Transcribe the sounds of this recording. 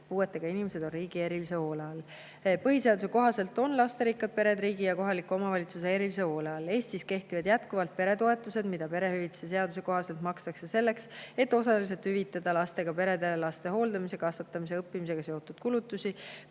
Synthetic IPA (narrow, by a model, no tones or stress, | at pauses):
puːe̞t̪ːˑe̞ɡ̥ɑinimese̞d̪o̞nriːɡ̥ie̞ɾilise̞o̞ːleɑl | pɤɦise̞ɑd̪us̬e̞ko̞ɦɑse̞lt̪ˑo̞nlɑst̪e̞ɾikːɑd̪̥̚pe̞ɾe̞d̪ɾiːɡijɑko̞ɦɑlikːuomɑvɑlʲit̪sus̬ee̞ɾilise̞o̞ːleɑle̞ːst̪iske̞ht̪ivɑd̪jæt̪kuvɑlt̪̚pe̞ɾe̞t̪o̞e̞t̪ːˑuse̞d̪mid̪̥ɑpe̞ɾe̞hyvit̪ses̬e̞ɑd̪us̬e̞ko̞ɦɑse̞lt̪mɑkst̪ɑkse̞se̞lːe̞kse̞t̪ːˑo̞sɑlis̬e̞lt̪hyvit̪ːˑɑd̪̥ɑlɑst̪e̞ɡ̥ɑpe̞ɾe̞d̪elɑst̪e̞ɦo̞ːld̪ɑmise̞kɑsɑt̪ːˑɑmise̞ɤpːimis̬e̞ɡ̥ɑse̞o̞t̪ːud̪̥kulut̪ːˑusi